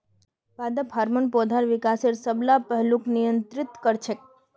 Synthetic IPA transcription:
pad̪əpɦaɾmənpɔd̪ʱaɾʋikaseɾsəblapəɦluknijənt̪ɾɪt̪kəɾt͡ʃʰek̚

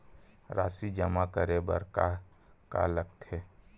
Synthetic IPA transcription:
ɾaːsid͡ʒəmakəɾebə̰ɾka | ka̰lək̚t̪ɦɛː

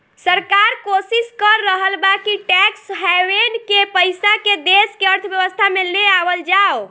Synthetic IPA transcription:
səɾkaɾkosiskəɾːəɦəlbakiʈɛksɦɛwenkepəjsaked̪eskeəɾt̪ʰbjəʋəst̪ʰameleabəld͡ʒao

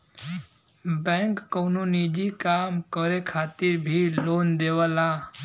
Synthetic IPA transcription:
bɛ̃ŋkːɔwnonid͡ʒikamkəɾekʰaːt̪ɪɾbʱilond̪eʋala

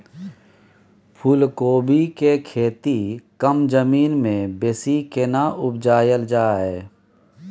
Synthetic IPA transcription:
pʰuːlkoːbʱikekʰeːt̪ikəmd͡ʒəmiːnmẽbesikenaʔʊbd͡ʒaːjəld͡ʒaːɦɛː

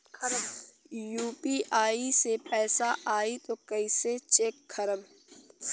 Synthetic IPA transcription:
juːpiʔaːisepɛːsaʔaːit̪okəiset͡ʃekkʰːəɾəm

